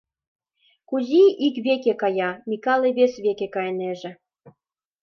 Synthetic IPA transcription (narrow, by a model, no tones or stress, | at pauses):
kuziʔikβekekɑjɑmʲikɑlˠeβesβekekɑjeneʒĕ